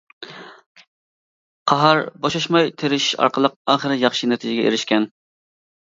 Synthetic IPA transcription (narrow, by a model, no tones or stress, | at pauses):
qʰɑɦɑɾbɑʃɑʃmɑjt̪ʰeɾɪʃɑ̰ɾqʰəlˠəq̚ɑːχəɾɨjɑχʃinɛt̪ʰɪd͡ʒɪɡʲɛʔḛɾɪʃkʲɛn